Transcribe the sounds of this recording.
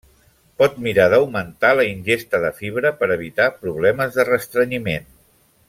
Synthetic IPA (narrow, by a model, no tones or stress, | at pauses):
pɔt̪miɾaðəwmənt̪aləinʲʒest̪əðəfiβɾəpəɾəβ̞it̪apɾuβ̞lɛməzðərəst̪ɾəɲimen